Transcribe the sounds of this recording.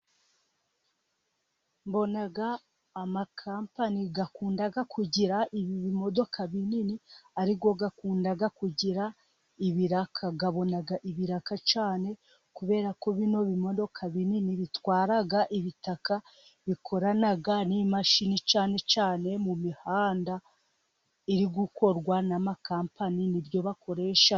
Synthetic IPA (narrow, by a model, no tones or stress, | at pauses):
mbo̞naɡaː | makʰaːmpaniɡakuːndaɡakʰuɟiɾaʔiβiβimo̞do̞kʰaβininiaɾiɡoɡakuːndaɡakuɟiɾa | iβiɾakʰaɡaβo̞naɡaʔiβiɾakat͡ʃaːne̞ | kuβe̞ːɾakoβino̞βimo̞do̞kʰaβininiβitwaːɾaɡaʔiβitaka | βikʰo̞ɾanaɡanimaʃinit͡ʃaːne̞t͡ʃaːne̞mumihaːnda | iɾiɡuko̞ɾɡwanamakaːmpaninibjo̞βako̞ɾe̞ːʃa